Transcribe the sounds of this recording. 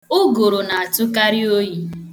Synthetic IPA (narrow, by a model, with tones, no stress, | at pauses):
ʊ˦ɡo˨ɾo˨na˨a˨tʊ˦ka˦ɾɪ˦o˦ji˨